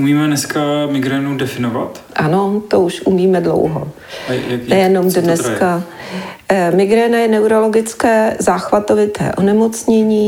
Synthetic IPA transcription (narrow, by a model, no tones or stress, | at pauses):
umiːmɛnɛskamɪɡɾɛnuwdɛfɪnova̰t̪ | ʔano̞t̪ouʃʔumiːmɛdlo̰wɦo̰ | nɛjɛno̞mdnɛskka | mɪɡɾɛːnajɛnɛwɾo̞lo̞ɡɪt͡skɛːzaːxvat̪ovɪt̪ʰɛ̰ːʔo̞nɛmo̞t͡sɲɛɲiː